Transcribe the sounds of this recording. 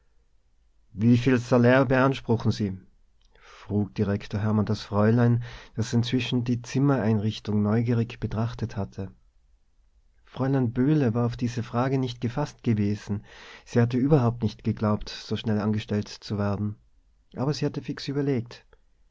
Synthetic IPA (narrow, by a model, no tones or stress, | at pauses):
viːfiːlsalɛːɐbəanʃpʁ̥ʊχn̩ziː | fʁ̥uːk̚d̥iʁɛktʰoːɐɦɛɐmandasfʁ̥ɔʏlaɪnd̥asɪntt͡sv̥ɪʃn̩diːt͡sɪmɐʔaɪnʁɪçtʊŋnɔʏɡiːʁɪçb̥ətʁ̥aχtəthatʰə | fʁ̥ɔʏlaɪnb̥øːləvaːɐaʊfd̥iːzəfʁ̥aːɡənɪçt̚ɡ̥əfastɡ̥əveːzn̩z̥iːhat̬əyːbɐɦaʊp̚tnɪçtɡ̥əɡlaʊptz̥oːʃnɛlanɡəʃtɛltt͡suveːɐdn̩ | ʔaːbɐziːhatəfɪksyːbɐleːk̚t